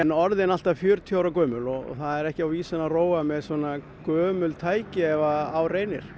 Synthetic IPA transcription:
ɛnɔɾðɪnal̥t̪afjʏɾt̪ʰjaːwɾakœːmʏlɔɣɔ̰θaðɛɾɛhcɪawviːsɪnaroːwamɛðsɔːna | kœːmʏlt̪ʰaːjcɪɛvaːwreːjnɪ̰ɾ̥

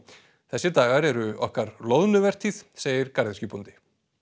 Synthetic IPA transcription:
θɛsːɪt̪aːɣaɾɛɾʏɔ̰hkaɾlɔðnʏvɛr̥t̪ʰiθseːjɪɾkaɾðɪscʏpunt̪ɪ̥

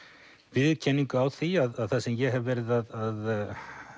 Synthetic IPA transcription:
vɪðcʰɛnːiŋkʏawθiaðaðθasɛmjɛɦɛvvɛːɾɪðaðað

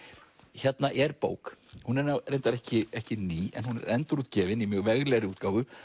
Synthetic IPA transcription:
çɛt̪naʔɛɾpo̰ːwkhunɛɾnawrejnt̪aɾɛhcɪɛhcɪniːɛ̰nhunɛ̰ɾɛnt̪ɾuːt̪cɛːvɪnimjœɣvɛɣlɛːɣɾɪuːt̪̚kaːwvʏ

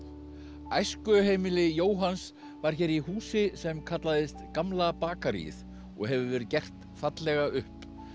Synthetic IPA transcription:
ajskʏɦeːjmɪlɪjoːwɦans | vaɾ̥çɛːɾiɦuːsɪsɛmkʰat̪laðɪst̪kamlapaːkaɾḭθ | ɔ̰ɣɦɛvʏvɛɾʏðcɛr̥t̪ | fat̪lɛɣaʔʏhp

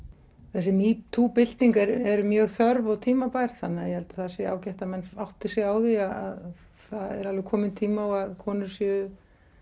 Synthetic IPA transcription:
θɛsːɪmit̪ʰuːpɪl̥t̪niŋkɛɾɛɾmjœːɣθœɾvɔɣt̪ʰiːmapajɾ̥θanːajɛhɛlt̪ḁθasɛa̰ːwcɛht̪amɛnːsawht̪ɪ̥sɪaːwðiaða̰ð | θaðɛ̰ɾalvɪkʰɔːmɪnt̪ʰiːmaɔɣaðkʰɔːnʏsjɛ

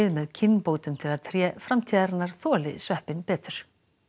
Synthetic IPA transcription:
ɪðmɛðcʰɪnːpoːwt̪ʏmt̪ʰɪlaðt̪ʰɾjɛːfɾamt̪ʰiːðaɾnːaɾ̥θɔːlɪ̰svɛhpɪnpɛːt̪ʏɾ̥

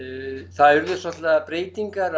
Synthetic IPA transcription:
θaðʏɾðɪsɔt̪lapɾeːjt̪iŋkaɾ

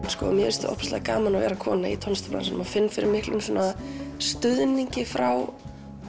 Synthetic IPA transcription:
skɔ̰mjɛɛst̪ɪ̰ʔɔ̰hpst̪a̰ðkaːmanavɛːɾakʰɔːnaḭt̪ʰɔnst̪ɔpɾa̰nsʏnʏ̰mafɪnːfɪɾɪɾmɪhklʔʏmsɔːnast̪ʏðniɲcɪfɾaw

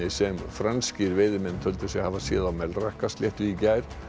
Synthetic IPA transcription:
ɪsɛmfɾanscɪɾvɪːðɪmɛnt̪ʰœlt̪ɪsjɛhavasjɛ̰ːðamɛlrahkast̪ljɛht̪ʏicajɾ̥

